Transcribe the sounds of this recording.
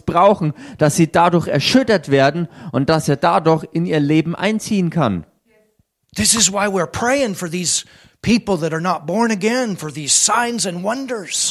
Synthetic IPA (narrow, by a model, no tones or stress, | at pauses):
b̥ʁaʊxn̩d̥asz̥iːdadʊɐçɛɐʃʏtɐtv̥eːɐdn̩ʔʊnt̚d̥aseːɐdadʊɐçɪniːɐleːbm̩ʔa̰ɪnt͡siːənkʰa̰n | ðɪsɨzwaɪwiɹpʰɹ̥eɪɪ̃ŋfə˞ðiz̥ | pʰipl̩ˠðəɾə˞nət̚b̥ɔɹnɨɡɛ̃nfə˞ðiz̥sãɪ̃nzɨ̃nwʌ̃ndə˞z̥